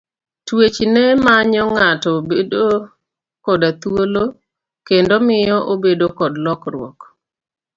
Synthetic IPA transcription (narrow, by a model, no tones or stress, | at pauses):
twet͡ʃnɛmaɲɔŋatɔbedo | kɔdat̪wolo | kendomɪjɔʔobedokɔdlɔkɾwɔ̰k